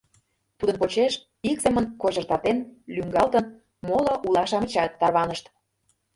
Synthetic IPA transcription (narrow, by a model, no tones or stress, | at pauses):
t̪ud̪ə̆npot͡ɕeʃ | ikzemə̆nkoʑə̆rt̪ɑt̪enlyŋɡɑlt̪ən | moloʔulˠɑʃɑmə̆t͡ɕɑt̪ːɑrβɑnəʃt̪